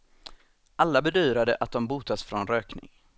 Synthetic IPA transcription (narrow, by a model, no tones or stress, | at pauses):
ʔalːabɛd̪yːɾad̪əʔat̪̚d̪ɔmbuːt̪asfɾɔnɾøːknɪ̰ŋ